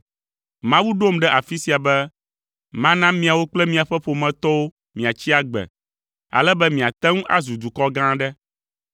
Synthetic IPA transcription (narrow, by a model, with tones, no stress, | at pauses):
mã˦wu˦ɖo˦mɖɛ˦ʔa˨fi˦si˨a˨bɛ˦ | mã˦nã˦mĩ˦a˨wo˦k͡plɛ˦mĩ˦a˨ɸɛ˦ɸo˨mɛ̃˨t̪ɔ˦wo˦ | mĩ˨a˨t͡ɕi˦a˦ɡ͡bɛ̰˨ | a̰˨lɛ˦bɛ˦mĩ˨a˨t̪ɛ˦ŋũ˦ʔa̰˦zu˨d̪u˨kɔ˦ɡã˦ɖɛ˦